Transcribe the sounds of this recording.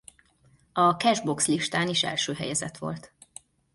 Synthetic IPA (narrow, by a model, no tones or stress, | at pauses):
ɒkɛʒbo̞ksliʃt̪aːniʃɛ̰lʃøːɦɛ̰jɛzɛ̰t̪ʋo̞̰lt̪